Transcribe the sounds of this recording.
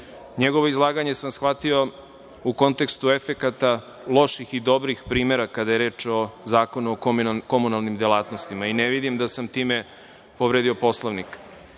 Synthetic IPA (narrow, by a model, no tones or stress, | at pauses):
ɲeɡo̞ʋo̞izlˠaːɡaɲe̞samsxʋat̪io̞ | uko̞nt̪e̞kst̪ue̞fe̞kat̪a | lˠo̞ʃixid̪o̞bɾixpɾiːmeɾakad̪aje̞ɾe̞ːt͡ʃo̞zaːko̞nuokko̞munalˠnimd̪elˠaːt̪no̞st̪imaineʋid̪imd̪asamt̪iːme | poʋɾeːd̪io̞po̞slˠoʋnik